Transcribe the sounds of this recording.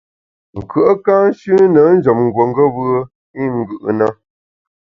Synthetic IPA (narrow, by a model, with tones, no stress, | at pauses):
ŋ̩˨kə˦ʔə˦ka˦n˦ʃʉ˦nə˨˦n̩˦d͡ʒə˨mŋ̩˨ɡwə˨ŋ˦ɡə˦bɯ˦ə˦ | i˦ŋ̩˦ɡɯ˨ʔna˦